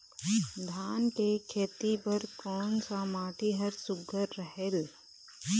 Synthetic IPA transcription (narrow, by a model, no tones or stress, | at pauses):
d̪ʱaːnkekʰeːt̪ibəɾkɔːnsamaːʈʰiɦəɾsʊɡəɾːəɦel